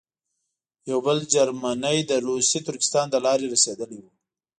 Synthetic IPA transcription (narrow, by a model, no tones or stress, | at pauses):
jawbəld͡ʒaɾmanəjd̪əɾusit̪ʊɾkɪ̥st̪ɑnd̪əlɑɾeɾased̪əliwu